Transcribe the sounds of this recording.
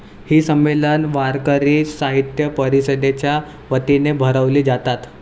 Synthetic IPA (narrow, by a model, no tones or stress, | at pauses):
hiːsəmːelənʋaɾkəɾiːsaɦit̪jəpəɾisəd̪et͡ɕja | ʋət̪inebʱəɾəʋliːd͡zat̪at̪